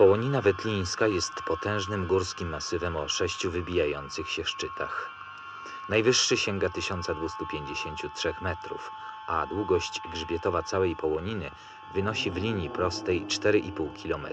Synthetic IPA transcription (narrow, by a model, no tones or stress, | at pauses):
pɔwɔɲinavɛt̪lʲĩj̃skajɛst̪pɔt̪ɛ̃w̃ʐnɘmɡuɾskʲimːasɘvɛmɔʂɛɕt͡ɕuvɘbʲijajɔnt̪sɘxɕɛfʂt͡ʂɘt̪a̰x | najvɘʂːɘɕɛŋɡat̪ɘɕɔnt̪sad̪vust̪upʲjeɲd͡ʑeɕeɲt͡ɕutʂɛxmɛt̪ɾṵf | ʔad̪wuɡɔɕt͡ɕɡʐbʲjɛt̪ɔvat̪sawɛjpɔwɔɲinɘ | vɘnɔɕivlʲiɲjipɾɔst̪ɛjt͡ʂt̪ɛɾɘʔipuwkʲilɔmɛ̰t̪